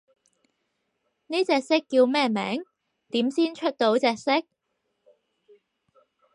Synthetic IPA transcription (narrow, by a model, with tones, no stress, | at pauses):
niː˥t͡sɛː˧k̚sɪ˥kːi˧wmɛː˥mɛ̰ː˨˥ŋ | t̪iː˨˥msiː˥nt͡ʃʰɵ˥t̚t̪o˨˥wt͡sɛː˧k̚sɪ˥k̚